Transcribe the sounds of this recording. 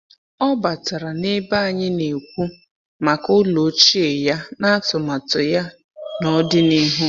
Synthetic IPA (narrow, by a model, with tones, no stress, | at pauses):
ɔ˦ba˨ta˨ɾa˨ne˦ba˦a˨ɲɪ˦ne˨kʷu˦ | ma˨kʊ˦lo˨˦t͡ʃi˦e˨ja˦na˦a˦tʊ˨ma˨tʊ˨ja˦ | nɔ˦dɪ˦ni˦ɦu˦